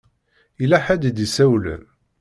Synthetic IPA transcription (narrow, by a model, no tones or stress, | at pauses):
ilæħæd̪d̪isæwlə̰m